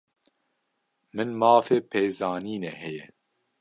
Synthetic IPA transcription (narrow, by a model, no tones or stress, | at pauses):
mɨnmaːfeːpʰeːzaːniːnɛhɛjɛ̰